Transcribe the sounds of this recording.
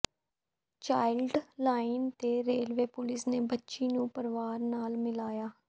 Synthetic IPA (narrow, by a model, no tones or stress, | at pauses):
t͡ʃaːɪlɖlaːɪnt̪eːɾeːlʋeːpʊlɪsneːbətːʃiːnũːpəɾʋaːɾnaːlmɪlaːjaː